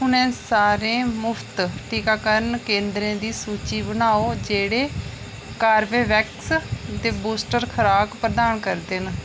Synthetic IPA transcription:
ɦʊnẽːsaːɾẽːmʊpʰt̪ʈʰiːkaːkəɾənkẽːnd̪ɾẽːd̪iːsuːt͡ʃiːbənaːoːd͡ʒeːɽeː | kaːɾʋeːʋɛːkst̪eːbuːsʈəɾkʰəɾaːkpɾəd̪aːnkəɾd̪ɪn

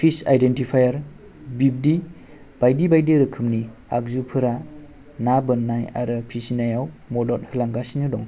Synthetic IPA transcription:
pʰisa̰jdentipʰajaɾ | bib̚di | b̥ajdibajdiɾɯkʰɯmnia̰k̚zupʰɯɾa | nabɯnːaja̰ɾɯpʰisinajawmɔdɔt̚hɯlaŋɡasinɯdɔŋ

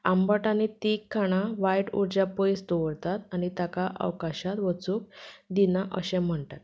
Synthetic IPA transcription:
ambəʈanit̪ikʰːaɽ̃aʋajʈṵɾd͡ʑapəjst̪oʋəɾt̪at̪añit̪akaʔə̰wkaɕat̪ʋət͡suk̚d̪inaʔəɕẽm̤əɳt̪at̪

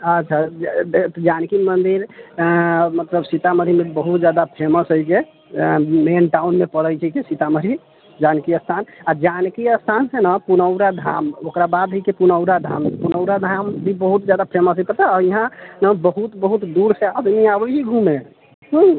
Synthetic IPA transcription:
ət̪ːt͡ʃʰat̪d͡ʒankimənd̪iɾ | mət̪ləbsit̪aməɾimebəɦut̪̚d͡ʒjad̪apʰɾeməsəjke | menʈaunmepəɽəjt͡ʃʰɛkesit̪aməɾi | d͡ʒankiəst̪ʰanad͡ʒankiəst̪ʰansenəpunəwɾad̪ʱa̰mokɾabad̪ɦəikepunəʊɾad̪ʱa̰mpunəwɾad̪ʱambʱibəɦut̪d͡ʒad̪apʰɾeməsəipət̪aiɦãnəbəɦut̪bəɦut̪d̪uɾsead̪miabəɦiɡʱume | ɦũ

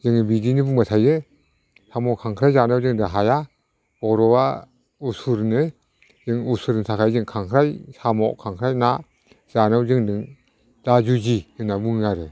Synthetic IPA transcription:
zɯŋnɯbidinɯbuŋmatʰajɯ | samɔkʰaŋkʰɾajzanawzɯŋdɯŋɦaja | bɔɾɔwa | usuɾnɯ | zɯŋusuɾnsʰakʰajzɯŋkʰaŋkʰɾajsamɔʔkʰaŋkʰɾajna | z̥anɯwzɯŋdɯŋ | d̥azuziɯnabuŋnaɾɯ

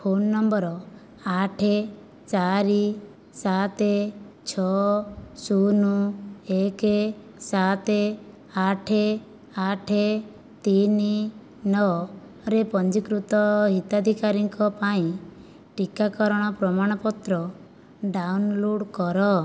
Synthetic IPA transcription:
pʰonːɔmbɔɾɔ | aʈʰe | t͡ʃaɾi | sat̪e | t͡ʃʰɔ | sunueke | sat̪e | aʈʰe | aʈʰe | t̪ini | nɔ | ɾepɔnd͡ʒikɾut̪ɔɦit̪ad̪ʱikaɾiŋkɔpaĩ | ʈikakɔɾɔɽ̃ɔpɾɔmaɽ̃ɔpɔt̪ɾɔ | ɖawnloɽkɔɾɔ

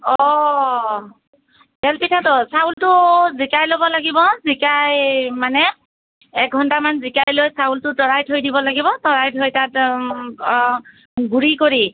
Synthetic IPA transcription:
ɔ | ɦɛlpitʰatʊsaultʊzikajlobɔlaɡibɔzikajmanɛ | ɛk̚ɡʱɔntamanzikajlojsaultʊtɔɹajtʰojdibɔlaɡibɔtɔɹajtʰojtat | ɡuɹikoɹi

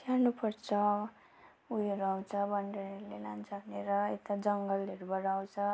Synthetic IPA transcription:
t̪ʰjarnupʌrt͡sʰʌ | ujeɾuaw̃t͡sʰʌbʌɳɖeɾʌɾulela̰nt͡sʰʌbʱʌneɾʌḛt̪ad͡zʌŋɡʌlʌɾubʌɾaw̃t͡sʰʌ

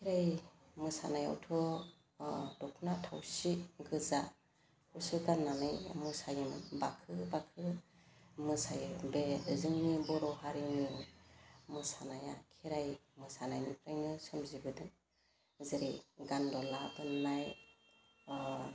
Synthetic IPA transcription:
kʰiɾaj | mɯsa̰naja̰wtʰɔ | dɔkʰnatʰawsiɡɯza | kusɯdanːanɯjmɯsajɯmbakʰɯbakʰɯ | mɯsajɯbezɯŋnibɔɾɔhaɾinɯ | mɯsanajakʰiɾajmɯsanajnipʰɾajnɯsɯmzibɯdɯŋ | zɯɾiɡandɔlabɯnːaj

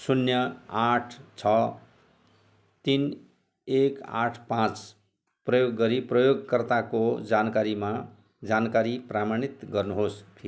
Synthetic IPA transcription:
sunjʌaʈʰt͡sʰʌ | t̪in | eka̰ʈʰpãt͡s | prʌjoɡːʌɾiprʌjoɡkʌrt̪akod͡zankaɾima | d͡zankaɾipramanit̪ɡʌrnuɦospʰi

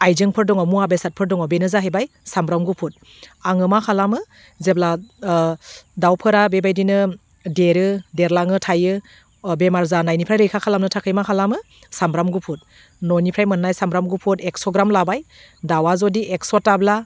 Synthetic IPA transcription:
ajzɯŋpʰɯɾdɔŋɔmuabesat̚pʰɯɾdɔŋɔbenɯzaɦejbaj | sambɾamɡupʰut̚ | aŋɯmakʰalamɯ | zebla | dawpʰɯɾabebajdinɯ | deɾɯdeɾlaŋɯtʰajɯ | bemaɾzanajnipʰɾajɾɯjkʰakʰalamnɯtʰakʰɯjmakʰalamɯ | sambɾamɡupʰut̚ | nɔnipʰɾajmɯnːajsambɾamɡupʰuteksɔɡɾamlabaj | dawazɔdiʔeksɔtːabla

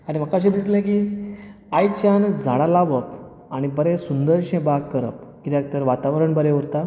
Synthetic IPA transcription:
aɾim̤əkaɕ̬ẽd̪islẽki | ajt͡ɕand͡zʱa̰ɽalaʋəp | aɽ̃ibəɾesund̪əɾɕẽbaɡ̚kəɾə̰p̚kid̪jak̚t̪əɾʋat̪aʋɾəɳbəɾẽʋəɾt̪a

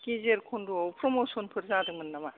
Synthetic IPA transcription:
kizeɾkʰɔnduɔwpɾɔmosɔnpʰɯɾzadɯmɯnːama

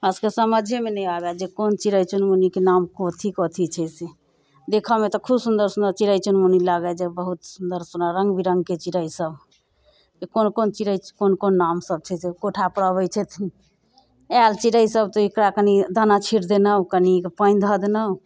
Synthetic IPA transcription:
əskesəməd͡ʒʱemenɛjabɛd͡ʒekont͡ʃiɾəjt͡ʃunmunikenamkɔt̪ʰikɔt̪ʰit͡ʃʰɛse | d̪ekʰɔmet̪ɔkʰubsund̪əɾsund̪əɾt͡ʃiɾəjt͡ʃunmunilaɡəd͡ʒebəɦut̪sund̪əɾsunaɾəŋɡbʱiɾəŋɡket͡ʃiɾəisəb | d͡ʒekonkont͡ʃiɾəikonkonːamsəb̚t͡ʃʰɛsekoʈʰapəɾəβət͡ʃʰɛt̪ʰ | ɛlt͡ʃiɾəisəbt̪ɔikɾakənid̪anat͡ʃʰiɾd̪enəkənikpəɪ̃nd̪ʱəd̪nəu

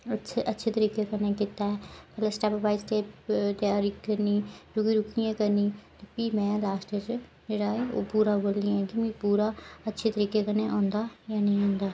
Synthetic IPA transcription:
əʔətːʃʰeːt̪əɾiːkeːkanẽːkɪt̪aːɦɛːpɛːleːsʈɛːpəbaːɪsʈeːpt̪jaːɾiːkkəɾniːɾʊɡiːɾʊkijãːkəɾniːt̪epiːmɛ̃ːlaːsʈeːd͡ʒ | d͡ʒeːɽaːɦɛːo̰ːpuːɾaːboːlnĩːɛ̃ːkimẽpuːɾaːətːʃʰeːt̪əɾiːkeːkanẽːʔãːnd̪aːjaːnəĩːãːnd̪aː

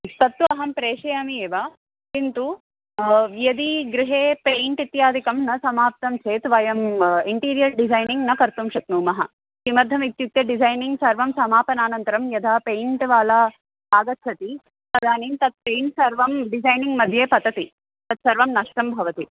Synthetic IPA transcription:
st̪ɐt̪ːuɐɦɐmpɾeːʂejɐmieːʋa | kint̪u | jɐd̪iɡɾɪɦeːpeːɳʈit̪jaːd̪ʱikɐmnɐsɐmaːp̚t̪ɐmt͡ʃʰeːt̪ʋɐjɐmiɳʈiːɾijɐlɖizɐjniŋɡnɐkɐɾt̪umʃɐt̪nuːmɐɦɐ | simɐɾd̪ʱɐmit̪juk̚t̪jɐɖizɐjniŋɡsɐɾʋɐmsɐmaːpɐnaːnɐnt̪ɐɾɐmjɐd̪ʱaːpeːjɳʈʋaːlaː | aːɡɐt̪t͡ʃɐt̪i | pɐd̪ʱaːniːnt̪ɐt̪̚peːɳʈsɐɾʋɐmɖid͡ʒɐjniŋɡmɐd̪ʱjeːpɐt̪ɐt̪i | t̪ɐt̪sɐɾʋɐmnɐʂʈɐmbʱɐʋɐt̪i

